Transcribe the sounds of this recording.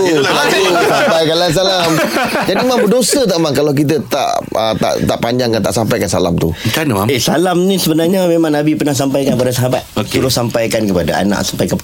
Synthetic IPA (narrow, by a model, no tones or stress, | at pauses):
salat̪usampajkalans̬alamd͡ʒadimaŋbədosət̪aʔmãŋkalawk̬it̪̬ət̪a̰ʔ | ət̪a̰ʔt̪aʔpaɲd͡ʒaŋkant̪aʔsampajkansa̰la̰mt̪ṵkanəmaesa̰lamnĩsəbənarɲamemãŋnabipərnahs̬ampajkankəpadasəɦabat̪oktəɾʊsampajkankəpadaa̰nã̰ʔsampajka